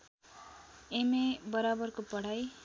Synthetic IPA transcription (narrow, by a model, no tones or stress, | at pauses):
emebʌɾabʌrkopʌɽ̤aj